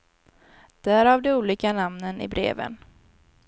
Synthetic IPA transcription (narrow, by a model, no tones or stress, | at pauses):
d̪̥æːɾɑːvd̪ɛuːliːkanamnənɪ̰bɾḛːvə̰n